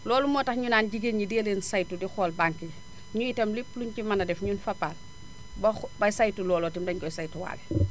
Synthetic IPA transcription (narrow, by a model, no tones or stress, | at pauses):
lɔːlumɔːtɐxɲunaːnɟiɡenideːleːnsajtudixɔːlbaŋki | ɲujitɐmlipluɲcimanɐdɛfɲunfapːaːl | bbɐjsajtulɔːlɔtimdɐɲɡɔjsajtuwa̰ːlɛ